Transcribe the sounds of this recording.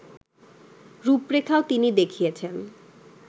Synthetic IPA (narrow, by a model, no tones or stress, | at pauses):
ɾupɾekʰaot̪inid̪ekʰijet͡ɕʰen